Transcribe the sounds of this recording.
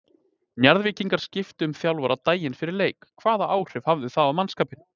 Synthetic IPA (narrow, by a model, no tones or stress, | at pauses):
njaɾðvɪːciŋkaɾ̥scɪft̪ɪʏmθjawlvaɾat̪aːjɪnfɪɾɪɾleːjkʰːvaːðaʔaːwr̥ɪv̥havðʏθaðamanskaːpɪn